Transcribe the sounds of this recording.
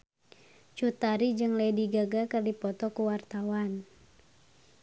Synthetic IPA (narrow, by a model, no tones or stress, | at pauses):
t͡ʃut̪aɾid͡ʒɨŋlɛdiɡaɡakərdipɔt̪ɔkuwart̪awan